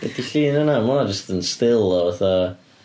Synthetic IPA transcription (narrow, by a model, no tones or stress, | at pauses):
ɛdiɬiːnənamad͡ʒəstənstɪlˠɔvaθa